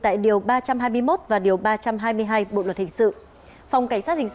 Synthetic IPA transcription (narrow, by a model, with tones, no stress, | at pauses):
t̪a̰ː˧˨jɗi˨˩əwɓaː˧t͡ɕa˧mɦaː˧jmɨ˧əjmo˦˥t̚vaː˨˩ɗi˨˩əwɓaː˧t͡ɕa˧mɦaː˧jmɨ˧əjɦaː˧jɓo̰˧˨lwə˩t̚hi˨˩ŋ̟sɨ̰˧˨ | fa˨˩wŋ͡mka˧˩jŋ̟saː˦˥t̚hi˨˩ŋ